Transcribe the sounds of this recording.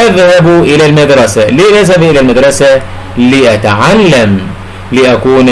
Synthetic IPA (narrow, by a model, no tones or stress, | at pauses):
ʔaðhabʔɪlalmad̪ɾˤɑsaliːʔaðhabʔɪlalmad̪ɾˤɑsa | liːʔat̪aʕalːam | lɪʔakuːn